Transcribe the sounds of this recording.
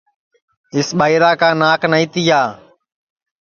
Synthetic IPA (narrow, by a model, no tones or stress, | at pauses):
ɪsɓaːiːɾaːkãːnaːknəĩːt̪iːjaː